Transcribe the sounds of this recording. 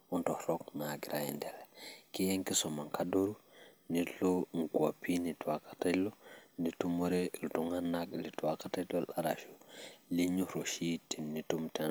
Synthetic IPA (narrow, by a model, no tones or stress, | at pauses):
untohɾoknaɡiɾʔajḭndelkijeŋkisomaŋkadoɾu | niloŋkua̰pinitwakḁtalonitumoɾeiltuŋanːaklitwakatalolʔaɾa̰ʃuliɲuɾoʃitinitumte